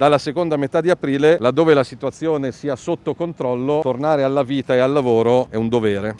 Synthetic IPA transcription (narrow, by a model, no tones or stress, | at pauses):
d̪alːasekond̪amet̪ad̪iapɾiːlelad̪ːoːvelasit̪uat̪sːjoːnesiːasot̪ːokont̪ɾɔlːot̪ornaːɾealːaviːt̪aealːavoːɾoɛund̪oveːɾe